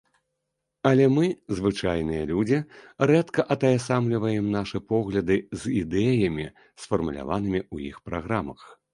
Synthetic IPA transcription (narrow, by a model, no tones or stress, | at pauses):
ɐlʲɛmɨzvɨt͡ʂajn̪ɨjɐlʲud͡zʲirɛt̪kɐʔɐt̪ɐjasamlʲivɐjɛmnaʂɨpɔɣlʲɐd̪ɨzʲid̪ɛjɐmʲi | sfɐrmulʲa̰van̪ɨmʲiujḭxpɾaɣɾamɐ̰x